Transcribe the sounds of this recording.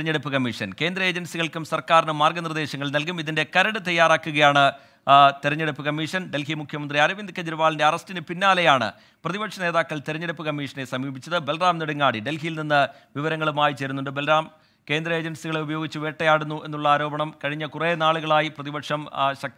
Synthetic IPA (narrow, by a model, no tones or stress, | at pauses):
ɾɲːeɽupːɨkɐmːiʂɐnke̞ːnd̪rɐe̞ːd͡ʑɐnsiɣɐɭkumsɐrkaːɾinɨmaːrɡɐnird̪e̞ːɕɐŋːɐɭnɐlkumiðinde̞kɐɾɐɽɨt̪ɐjːaːraːkːuɣɐjaːɳɨ | t̪eɾɐɲːeɽupːɨkɐmːiʂɐnɖe̞lɦimukʰjɐmɐnd̪riɐɾɐʋind̪ʱkʰːɐd͡ʑɐɾuʋaːɭinde̞ɐrɐstinɨpinːaːlɐjaːɳɨ̰ | prɐðibɐkʂɐneːðaːkːɐɭt̪eɾɐɲːeɽupːɨkɐmːiːʂɐnesɐmiːbit͡ɕːɐðɨbelraːmniɽuŋːaːɽiɖe̞lɦijilninːɨ | ʋiʋɐɾɐŋːɐɭumaːjit͡ɕe̞ːɾunːuɳɖɨbelraːm | ke̞ːnd̪rɐe̞ːd͡ʑɐnsiɣɐɭeubɐjo̞ːɡit͡ɕːɨʋeːʈːɐjaːɽunːuʔe̞nːuɭːɐaːɾo̞ːbɐɳɐmkɐɻiɲːɐkureːnaːɭuɣɐɭaːjiprɐðibɐkʂɐmɕɐ